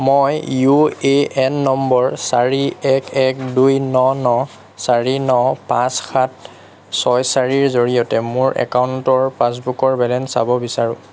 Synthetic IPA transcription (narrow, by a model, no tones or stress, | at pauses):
mojjueɛnːɔmbɔɹsaɹiɛkʰɛk̚dujnɔnɔ | saɹinɔpãsxʰat̚ | sɔjsaɹiɹzoɹijɔtɛmʊɹʔɛ̰kauntɔɹpas̬bukɔɹbɛlɛnsa̰bɔbisaɹʊ̃